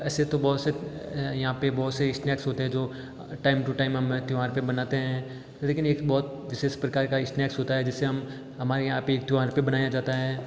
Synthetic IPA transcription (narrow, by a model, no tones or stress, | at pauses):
ɛːset̪obɔːt̪sejɐɦãpebɔːt̪seɪsʈnɛːksɦoːt̪eɦɛ̃d͡ʒoː | ʈaːɪmʈuʈaːɪmɦɐmt̪juaːɾpebɐnaːt̪eɦɛ̃ | leːkʰɪneːkbɔːt̪ | ʋɪsespɾɐkaːɾkaɪsʈnɛːksɦoːt̪aɦɛd͡ʒɪsːeɦɐm | ɦɐmaːɾejɐɦãpeːk̚t̪juãːɾpebɐnaːjad͡ʒaːt̪aɦɛː